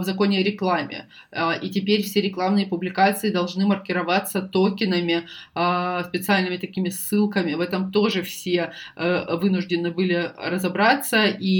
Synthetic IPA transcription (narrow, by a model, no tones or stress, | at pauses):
vzɐko̞nʲɪjəɾʲɪklˠamʲɪ̰ | itʲɪpʲeɾʲfsʲeɾʲɪklˠamnɨjəpʊblʲɪkat̪sɨɪd̪ɐlˠʐnɨmərkʲɪɾɐvat̪sːət̪okʲɪnəmʲɪ | spʲɪt̪sɨalʲnɨmʲɪt̪ɐkʲimʲɪsːɨlˠkəmʲɪvɛt̪əmt̪o̞ʐɨfsʲe̞ | vɨnʊʐdʲɪnɨbɨlʲɪɾəzɐbɾat̪sːəi